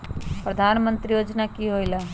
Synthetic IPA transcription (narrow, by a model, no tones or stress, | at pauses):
pɾɐd̪ʱaːnmə̃nt̪ɾijoːd͡ʒnakiɦoːilaː